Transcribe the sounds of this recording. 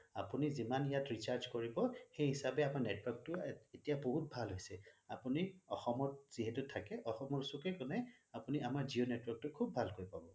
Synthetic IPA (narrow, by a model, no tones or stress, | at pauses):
apunizimanjatɹisaɹzkoɹibɔxejɦisabɛamaɹnɛtwɔɹk̚tʊetijaboɦut̚bʱalɦojsɛapuniɔxɔmɔt̚z̥iɦɛtʊtʰakɛʔɔxɔmɔɹsukɛkɔnɛapuniamaɹzionɛtwɔɹk̚tʊkʰubʱːalkojpabɔ